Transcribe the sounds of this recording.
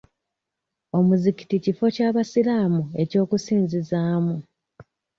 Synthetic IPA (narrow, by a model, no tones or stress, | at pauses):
o̞muziki̥ticifo̞caːβasilaːmue̞co̞ːkusiːnzizaːmu